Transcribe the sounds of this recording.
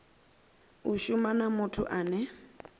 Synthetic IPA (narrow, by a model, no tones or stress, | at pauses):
uʃumanamʊtʰʊʔaːnɛ